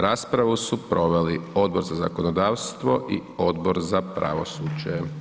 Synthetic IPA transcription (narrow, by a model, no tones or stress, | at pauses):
ɾaːspɾaʋusupɾo̞ʋelio̞d̪̚bo̞ɾzaza̰konod̪aːʋst̪ʋo̞ʔḭo̞d̪boɾzapɾa̰ʋo̰suːd͡ʒe